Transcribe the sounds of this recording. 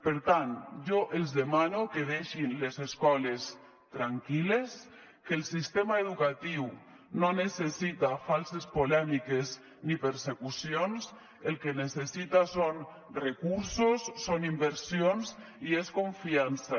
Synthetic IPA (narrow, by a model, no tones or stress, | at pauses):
peɾt̪anʒɔʔelˠzðemanokeðeʃinlezeskɔles | t̪ɾaŋkiles | kelˠsist̪emaeðukat̪iw | nonesesit̪afalˠsespolɛmikez | nipeɾsekusijons | elkenesesit̪ason | rekuɾsosːonimbeɾsions | ieskoɱfiansa